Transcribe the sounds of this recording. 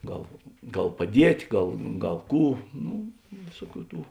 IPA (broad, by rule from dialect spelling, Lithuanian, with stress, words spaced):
ˈɡɐlˠ ˈɡɐlˠ pɐˈdʲiɛtʲ ˈɡɐlˠ ˈɡɐlˠ ˈkuː ˈnʊ ˈʋʲeːsuɔˌkʲuː ˈtuː